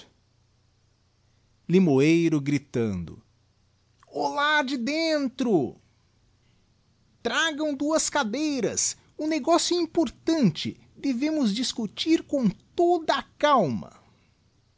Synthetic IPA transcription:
limoejɾʊɡɾit̪ɐ̰̃nd̪ʊ̰ | olad͡ʒɪd̪ẽnt̪ɾʊ | t̪ɾaɡɐ̃w̃d̪uɐskad̪ejɾɐs | ũneɡɔsjʊĩmpoɾt̪ɐ̃nt͡ʃɪ̰ | d̪evẽmʊzd͡ʒiskut͡ʃiɾkõw̃t̪od̪ɐːkawmɐ̰

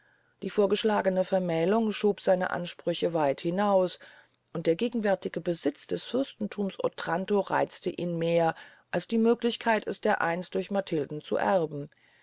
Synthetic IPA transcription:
d̥iːfoːɐɡəʃlaːɡənəfɛɐmɛːlʊŋʃoːpz̥aɪnə̰ʔa̰nʃpʁ̥ʏçəvaɪthɪnaʊs | ʔʊnt̚d̥eːɐɡeːɡŋ̩vɛɐtɪɡ̥əbəzɪt͡sd̥ɛsfɪʁɐstn̩tʰuːmsʔo̰tʁ̥antoʁa̰ɪt͡stəʔiːnmeːɐʔalsd̥iːmøːklɪçkʰaɪtɛsd̥eːɐʔa̰ɪnstd̥ʊɐçmatʰɪldn̩t͡sṵʔæʁbm̩

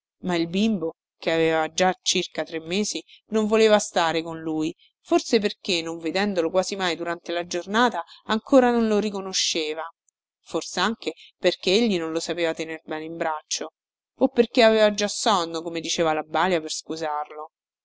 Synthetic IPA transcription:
mailbimbo | keaveːvad͡ʒat͡ʃːirkat̪ɾemːeːzinoɱvoleːvast̪aːɾekonluːj | forsep̬erkenːoɱved̪ɛnd̪olokwaːzimajd̪uɾant̪elad͡ʒornaːt̪aːŋkoːɾanonloɾikonoʃːeːva | forseaŋkeperk̟eeʎːinonlosapeːvat̪enerbɛːneimbɾat͡ʃːo | opːerkeavɛːvad͡ʒːasːɔnːokomed̪it͡ʃeːvalabːaːljaperskuzarlo

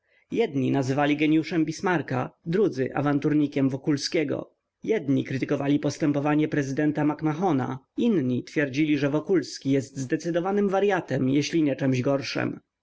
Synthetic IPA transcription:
jɛd̪ɲinazɘvalʲiɡɛɲjuʂɛmbʲismaɾka̰d̪ɾud̪zɘʔa̰vant̪uɾɲikʲɛmvɔkulskʲɛɡɔ̰ | jɛd̪ɲikɾɘt̪ɘkɔvalʲipɔst̪ɛmpɔvaɲɛpɾɛzɘd̪ɛnt̪amakmaxɔna̰inɲit̪fʲjɛɾd͡ʑilʲiʐɛvɔkulskʲijɛst̪zd̪ɛt̪sɘd̪ɔvanɘmvaɾjat̪ɛmjɛɕlʲiɲɛt͡ʂɛmʑɡɔɾʂɛ̰m

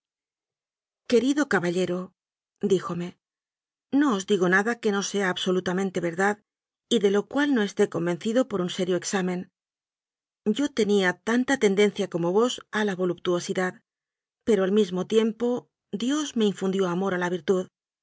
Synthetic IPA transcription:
ke̞ɾiðo̞kaβaʎe̞ɾo̞ | d̪ixo̞me̞ | no̞ozd̪iɣo̞naðake̞no̞se̞aːβso̞lut̪amẽnt̪e̞βe̞ɾðað | iðe̞lo̞kwalno̞e̞st̪e̞ko̞mbe̞nθiðo̞po̞ɾunse̞ɾjo̞eksamẽ̞n | ɟ͡ʝo̞t̪e̞niat̪ant̪at̪e̞nd̪e̞n̟θjako̞mo̞βo̞salaβo̞lup̚t̪uo̞siðað | pe̞ɾoalmizmo̞t̪je̞mpo̞ | d̪jo̞zme̞iɱfund̪jo̞amo̞ɾalaβiɾt̪uð

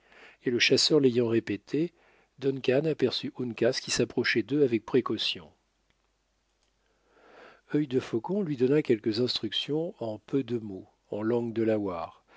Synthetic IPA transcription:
eləʃasœʁlejɑ̃ʁepet̪ʰe | d̪ɔnkʲanapɛʁsyʔunkʲaskʲisapχɔʃɛd̪øavɛk̚pχekɔsjɔ̃ | œjd̪əfɔkɔ̃lɥid̪ɔnakʲɛlkəzɛ̃st̪χyksjɔ̃ɑ̃pød̪əmo | ɑ̃lɑ̃ɡd̪əlawaːʁ

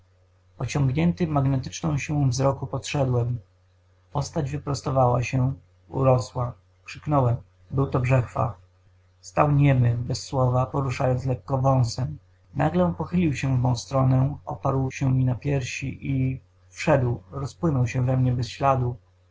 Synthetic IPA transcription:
pɔt͡ɕɔŋɡɲɛnt̪ɘmːaɡnɛt̪ɘt͡ʂnɔ̃w̃ɕiwɔ̃vzɾɔkupɔt̪ʂɛd̪wɛm | pɔst̪ad͡ʑvɘpɾɔst̪ɔvawa̰ɕɛ | ṵɾɔswa | kʂɘknɔwɛm | bɘwt̪ɔbʐɛxfa̰ | st̪awɲɛmɘbɛsːwɔvapɔɾuʂajɔnt̪lɛkːɔvɔ̃w̃sɛm | naɡlɛpɔxɘlʲiwɕɛvmɔ̃w̃st̪ɾɔnɛɔ̰paɾwɕɛmʲinapʲjɛɾɕḭʔi | fʂɛd̪wɾɔspwɘnɔwɕɛvɛmɲɛbɛsɕlad̪u

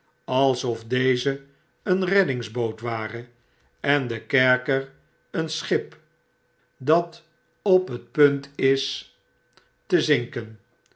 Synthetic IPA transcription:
ɑlˠsɔfdejzə | ənrɛdɪŋzbowtʋaːrə | ɛndəkɛɹkəɹ | ənsχɪp | dɑt | ɔpɦət̚pɵntɪs | təzɪŋkən

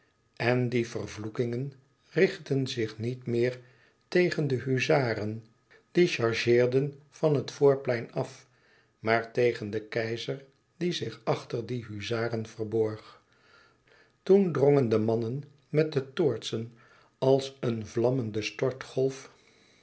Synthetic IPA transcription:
ɛndivərvlukɪŋən | rɪχtənzɪχnitmɪːɹ | tejχəndəɦyzaːɾən | d̥iʃɑɹʒɪːɹdən | v̥ɑnɦətfʊːɹplɛjnɑf | maːɹtejχəndəkɛjzəɹ | d̥izɪχɑχtəɹdiɦyzaːrənv̥ərbɔɹχ | tundroŋəndəmɑnən | mɛt̚dətʊːɹtsən | ɑlˠsənvlɑməndəstɔɹtχɔlˠf

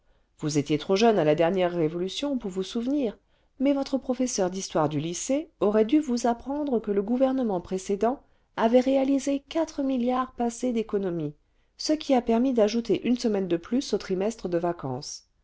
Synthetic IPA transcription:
vuzet̪jet̪χoʒœnalad̪ɛʁnjɛʁːevɔlysjɔ̃puʁvusuvniːʁ | mɛvɔt̪χəpχɔfɛsœʁd̪ist̪waʁd̪yliseɔʁɛd̪yvuzapχɑ̃d̪ʁəkələɡuvɛʁn̪əmɑ̃pχesed̪ɑ̃ | avɛʁealizekat̪χəmiljaʁpased̪ekɔnɔmi | səkʲʰiapɛʁmid̪aʒut̪eʔynsəmɛnd̪əplysot̪χimɛst̪χəd̪əvakɑ̰̃s

